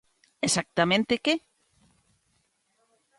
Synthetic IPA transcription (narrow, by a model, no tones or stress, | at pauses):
esak̚t̪amẽnt̪eke